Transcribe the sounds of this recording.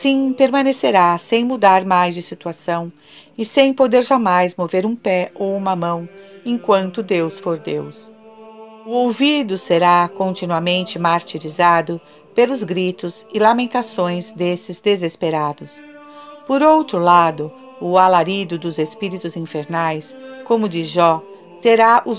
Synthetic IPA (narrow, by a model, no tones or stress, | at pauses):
sĩpeɾmɐ̃neseɾasẽj̃mud̪aɾmajzd͡ʒɪsit̪uasɐ̃w̃ | ɪsẽj̃pod̪eɾʒamajzmoveɾũpɛowũmɐmɐ̃w̃ẽŋkwɐ̃nt̪ʊd̪ewsfoɾd̪ḛws | ʊowvid̪ʊseɾakõnt͡ʃinuɐmẽnt͡ʃɪmaɾt͡ʃiɾizad̪ʊ | pelʊzɡɾit̪ʊzɪlamẽnt̪asõj̃zd̪esɪzd̪ezespeɾad̪ʊspoɾowt̪ɾʊlad̪ʊ | ʊalaɾid̪ʊd̪ʊzespiɾit̪ʊzĩfeɾnajskõmʊd͡ʒɪʒɔ | t̪eɾaʔʊ